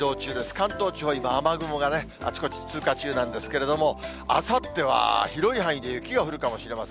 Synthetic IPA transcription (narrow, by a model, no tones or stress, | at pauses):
o̞ːt͡ɕɨːd̪e̞sɨ̥kãnt̪o̞ːt͡ɕiho̞imaːmaɡɯ̟mo̞ɡane̞ | a̰t͡ɕi̥ko̞t͡ɕi̥t͡sɨːkat͡ɕɨːnãnd̪e̞sɨ̥ke̞ɾe̞d̪o̞mo̞ | a̰sat̪ːe̞βa̰çiɾo̞ihãɰ̃id̪e̞jɯ̟kʲiɡaɸɯ̟ɾɯ̟kamo̞ɕiɾe̞masẽ